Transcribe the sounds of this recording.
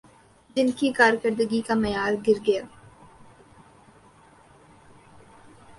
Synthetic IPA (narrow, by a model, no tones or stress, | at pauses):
d͡ʒɪnkikaːɾjkəɾd̪əɡikamɐjaːɾɡɪɾɡɐjaː